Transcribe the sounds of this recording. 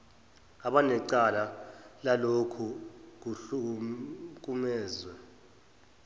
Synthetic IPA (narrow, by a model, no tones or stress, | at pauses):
aɓanɛǀalalalokʰuk̬uɬu | k̬ʼumɛːzwɛ